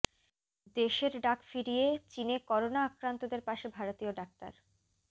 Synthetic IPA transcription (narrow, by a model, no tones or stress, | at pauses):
d̪eʃeɾɖakfiɾijet͡ɕinekɔɾonaːkɾant̪od̪eɾpaʃebʱaɾot̪ioɖak̚t̪a̰ɾ